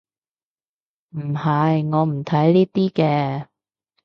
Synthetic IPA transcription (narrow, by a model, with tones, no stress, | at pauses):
m̩˨˩hɐ˨jŋɔː˨˧m̩˨˩t̪ʰɐ˨˥jliː˥t̪iː˥kɛː˧